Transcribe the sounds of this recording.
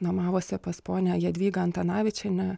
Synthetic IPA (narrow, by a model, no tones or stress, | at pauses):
nomɑːʋoːsʲɪpɐspoːnʲɛjiɛd̪ʲʋʲiːɡɐɐnt̪ɐnɑːʋʲɪt͡ʃʲɛnʲɛ